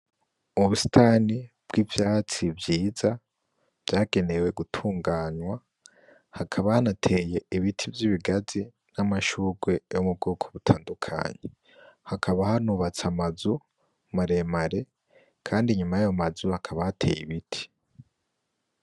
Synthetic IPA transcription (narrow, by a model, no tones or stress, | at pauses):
uβusi̥taːnib̥̚ɡiːvjaːt͡sivjiːza | v̥jaːɡe̞ne̞we̞ɡutʰuːŋɡaːnwa | hakʰaβahanatʰe̞je̞iβitʰivjiβiɡazi | namaʃuːɡwe̞jomub̚ɡoːkʰoβutʰaːndukʰa̰ːɲe | hakʰaβahanuβat͡samazu | maɾe̞maɾe̞ | kʰaːndiɲumajajomazuhakʰaβahatʰe̞̰jiβitʰi̥